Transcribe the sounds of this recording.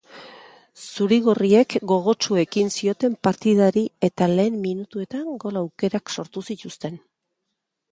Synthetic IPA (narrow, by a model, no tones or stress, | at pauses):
suɾiɣ̞orie̞kɡo̞ɣ̞o̞t͡ʃue̞kinsio̞t̪e̞mpaɾt̪ið̞aɾie̞t̪ale̞ːmːinut̪ue̞t̪aŋɡo̞lawke̞ɾakso̞ɾt̪usit̪ust̪e̞n